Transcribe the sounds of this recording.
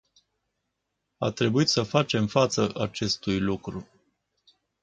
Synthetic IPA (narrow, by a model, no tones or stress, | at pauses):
a̰t̪ɾe̞buit̪səfat͡ʃe̞mfat̪səʔat͡ʃe̞st̪ujlukɾu